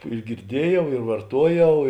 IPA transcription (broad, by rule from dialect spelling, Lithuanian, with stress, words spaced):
ɪr ɡʲɪrʲˈdʲiɛjɛʊ ɪr ʋɐrˈtuɔjɛʊ